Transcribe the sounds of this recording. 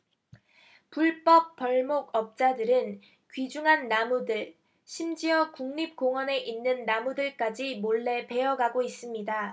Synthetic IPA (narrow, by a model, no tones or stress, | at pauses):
puɭp͈ʌp̚p͈ʌɭmoɡʌp̚t͡ɕ͈adɯɾɯn | kɥid͡ʑuŋɦanːamudɯɭ | ɕʰimd͡ʑiʌkuŋɲip̚k͈oŋʌne̞ʔinːɯnːamudɯɭk͈ad͡ʑimoɭːe̞pe̞jʌɡaɡois͈ɯmɲida